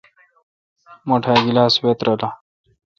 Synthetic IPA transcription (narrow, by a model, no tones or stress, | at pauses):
moʈʰaːɡilaːswet̪ɾɐla